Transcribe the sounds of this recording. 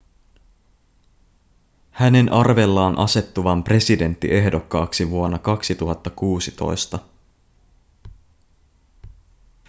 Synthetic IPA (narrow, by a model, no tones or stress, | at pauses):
hæne̞nʔɑrʋe̞lːɑːnʔɑ̰se̞t̪ːuʋɑmpre̞side̞nt̪ːḭʔe̞hdo̞kːɑːksiʋuo̞nːɑkɑksit̪uɦɑt̪ːɑkuːsit̪o̞̰jst̪ɑ